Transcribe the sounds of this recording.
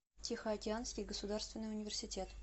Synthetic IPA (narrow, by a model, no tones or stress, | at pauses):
tʲɪxəɐkʲɪanskʲɪjɡəsʊd̪arst̪vʲɪnːɨjʊnʲɪvʲɪrsʲɪtʲe̞t̪